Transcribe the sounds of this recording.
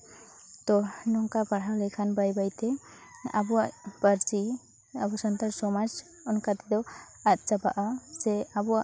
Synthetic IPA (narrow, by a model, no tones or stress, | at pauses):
t̪ɔnɔŋkabaɽ̤ɦawlɛkʰanbajbajt̪ɛa̰buaʔbəɾt͡ʃi | abɔsɔnt̪aɾsɔmad͡ʒ | ɔnkat̪ɛd̪ɔat̪̚t͡ʃaba̰ʔazɛabua